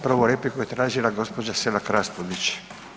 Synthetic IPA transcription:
pɾɔvolɛpikoet̪ɾaʒilaɡɔspod͡ʒasɛlakɾaspod̪it͡ʃ

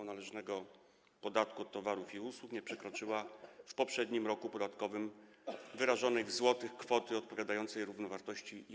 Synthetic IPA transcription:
nalɛʐnɛɡɔ | pɔd̪at̪kuɔt̪ːɔvaɾufiuswukɲɛpʂɛkɾɔt͡ʂɘwafpɔpʂɛd̪ɲimɾɔkupɔd̪at̪kɔvɘm | vɘɾaʐɔnɛjvzwɔt̪ɘxkfɔt̪ɘɔt̪̚pɔvʲjad̪ajɔnt̪sɛjɾuvnɔvaɾt̪ɔɕt͡ɕi

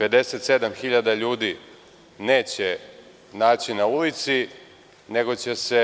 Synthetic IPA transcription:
pe̞d̪e̞set̪se̞d̪amxiʎad̪aʎuːd̪i | ne̞ːt͡ɕe | naːt͡ɕinaulit̪si | ne̞ɡo̞t͡ɕe̞se̞

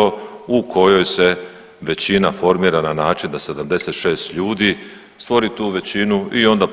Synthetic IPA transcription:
oukʰo̞jo̞jse̞ | ʋe̞t͡ɕinafo̞ɾmiːɾananaːt͡ʃind̪ase̞d̪amd̪e̞se̞t̪ʃe̞ːst̪ʎuːd̪iː | st̪ʋo̞ɾit̪uːʋe̞t͡ɕinuio̞nd̪ap

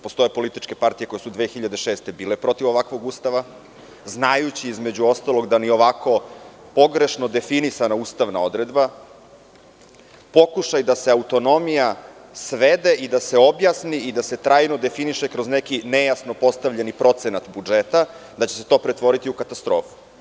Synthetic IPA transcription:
post̪o̞jepo̞lit̪it͡ʃke̞paɾt̪ijekoesud̪ʋexiʎad̪e̞ʃeːst̪e̞biːle̞pɾo̞t̪iʋo̞ʋakʋo̞ɡust̪aʋa | znajut͡ɕiizmed͡ʑuo̞st̪alo̞ɡd̪anio̞ʋako̞ | po̞ɡɾe̞ʃnod̪e̞finisanauːst̪aʋnao̞d̪ɾed̪ba | po̞kuʃajd̪ase̞aut̪o̞no̞mija | sʋed̪e̞ʔid̪ase̞o̞bjasniʔid̪ase̞t̪ɾaːjnod̪e̞finiʃekɾozne̞kinejasno̞po̞st̪aʋʎenipɾo̞t̪senat̪bud͡ʒet̪a | d̪at͡ɕe̞se̞̥t̪o̞ːpɾet̪ʋo̞ɾit̪iukat̪ast̪ɾo̞ːfu̥

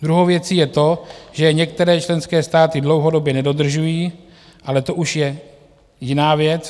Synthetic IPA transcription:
d̪ɾuɦowvjɛt͡siːjɛt̪o̞ʒɛɲɛk̚t̪ɛɾɛːt͡ʃlɛnskɛːst̪aːt̪ɪdlo̞wɦo̞do̞bjɛnɛdo̞d̪r̩ʒujiː | ʔalɛt̪o̞ʔuʃjɛ | jɪnaːvjɛt͡s

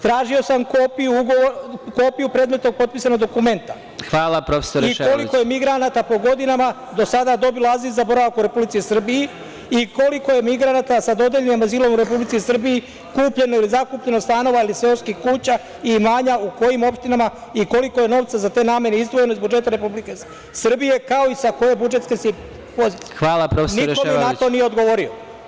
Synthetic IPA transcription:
t̪ɾaːʒio̞samkopijuuɡooko̞ːpijupɾe̞ːd̪me̞t̪no̞ɡ̚po̞t̪̚pisano̞ɡd̪okume̞nt̪a | xʋaːlˠapɾofe̥soɾiko̞liko̞je̞miɡɾanat̪apo̞ɡo̞d̪inama | d̪o̞sad̪ad̪o̞biloazilzzabo̞ɾaʋakuɾe̞publit̪isr̩biji | iko̞liko̞je̞miɡɾanat̪asad̪o̞d̪eʎenimazilo̞muɾe̞publit̪sisr̩biji | kuːpʎe̞noilizakuːpʎe̞nost̪ano̞ʋailiseonskixkuːt͡ɕa | imaːɲauko̞jimo̞pʃt̪inamaiko̞liko̞je̞no̞ʋt̪sazat̪e̞ːnaːmje̞neizd̪ʋo̞je̞noizbud͡ʒe̞t̪aɾe̞publike | sr̩bije̞kao̞isako̞je̞bud͡ʒe̞t̪skesi | po̞zit̪xʋaːlˠapɾofesniɾkomienat̪o̞nije̞o̞d̪ɡo̞ʋo̞ɾio

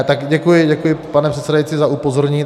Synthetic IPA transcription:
t̪aɡɟɛkujɪɟɛkujɪpanɛpr̥ɛt̪sɛdajtt͡sizaʔupo̞zoɾɲɪ

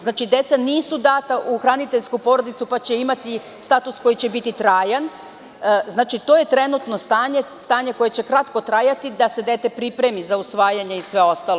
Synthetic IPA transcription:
znaːt͡ʃid̪e̞t̪saniːsud̪aːt̪aʔuxɾanit̪eʎskupo̞ɾod̪it̪supat͡ɕe̞imat̪i | st̪aːt̪usko̞jit͡ɕe̞bit̪it̪ɾaːjan | znaːt͡ʃit̪o̞ːje̞t̪ɾe̞nut̪no̞st̪aːɲe̞st̪aːɲe̞ko̞je̞t͡ɕe̞kɾat̪ko̞t̪ɾaːjat̪id̪ase̞d̪e̞t̪e̞pɾipɾe̞mizausʋaːjaɲeisʋe̞o̞st̪alo

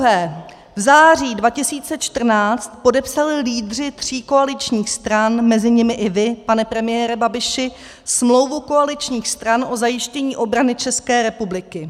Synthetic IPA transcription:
ɦɛː | vzaːr̝iːdvacɪsiːt͡sɛt͡ʃt̪r̩naːt͡st̪̚po̞dɛpsalɪliːdr̝ɪt̪r̝̥iːko̞alɪt͡ʃɲiːxst̪ɾanmɛzɪɲɪmɪʔɪvɪpanɛpɾɛmɪjɛːɾɛbabɪʃɪ | smlo̞wvuko̞alɪt͡ʃɲiːxst̪ɾanʔo̞zajɪʃcɛɲiːʔo̞bɾanɪt͡ʃɛskɛːɾɛpublɪkɪ

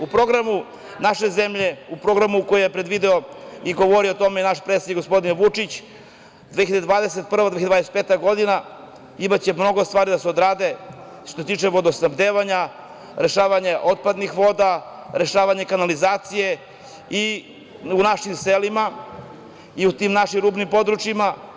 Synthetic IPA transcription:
upɾo̞ɡɾamu | naʃe̞zemʎe̞upɾo̞ɡɾamukojejepɾed̪ʋid̪eoiɡo̞ʋo̞ɾiot̪o̞meinaʃpɾet̪sed̪ikɡospo̞d̪inʋut͡ʂit͡ɕ | d̪veːiʎad̪d̪vaːd̪eset̪̚pr̩ʋad̪eçad̪vad̪ese̥peːt̪aɡo̞d̪ina | imat͡ɕe̞mno̞ɡo̞st̪vʋaːɾid̪aseod̪ɾaːd̪e̞ | ʃt̪oset̪iːt͡ʃeʋo̞d̪osnamd̪eːʋaɲa | ɾe̞ʃaːʋaɲe̞ʔo̞t̪̚pad̪nixʋo̞d̪a | ɾe̞ʃaːʋaɲe̞kanalizaːt̪sije̞ | i | unaʃimselima | iut̪imnaʃimɾuːbnimpo̞d̪ɾut͡ʃima

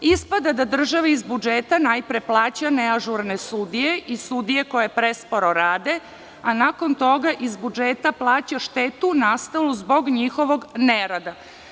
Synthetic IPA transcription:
ispad̪ad̪ad̪r̩ʒaʋeizbud͡ʒeːt̪anajpɾe̞plˠaːt͡ɕaneaʒuɾnesud̪ije̞ʔisud̪ije̞ko̞jepɾespoɾoɾaːd̪e̞ | anako̞nt̪o̞ɡaʔizbud͡ʒeːt̪aplˠaːt͡ɕaʃt̪eːt̪unast̪aluzbo̞ɡɲixo̞ʋo̞ɡneɾad̪a

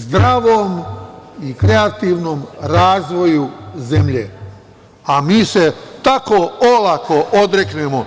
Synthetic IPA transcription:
zd̪ɾaʋoːmikɾe̞at̪iːʋno̞ːmɾaːzʋo̞juzemʎḛ | amiːset̪akoolakʰo̞ʔod̪ɾeknemo

